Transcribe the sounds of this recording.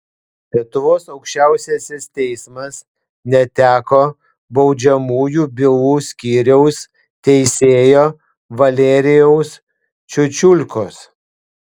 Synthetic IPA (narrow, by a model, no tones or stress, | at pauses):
lʲiɛt̪ʊʋoːsɐʊkʃʲt͡ʃʲæˑʊsʲeːsʲɪst̪ʲɛɪsmɐs | nʲɛt̪ʲæːkoː | bɒʊd͡ʒʲɛmuːjuːbʲɪuːsʲkʲiːɾʲɛʊs | t̪ʲɛɪsʲeːjoː | ʋɐlʲeɾʲɪjɛʊs | t͡ʃʲʊt͡ʃʲʊlʲkoːs